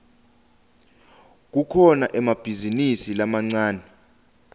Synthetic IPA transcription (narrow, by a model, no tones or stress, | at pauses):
k̬ukʰɔnaʔɛmab̥ʱizinisilamaŋ͡ǀaːnɛ